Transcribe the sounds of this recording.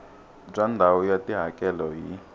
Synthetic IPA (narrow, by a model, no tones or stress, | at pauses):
b͡ʐʼandʱawɔjatʼiɦakʼɛlɔɦi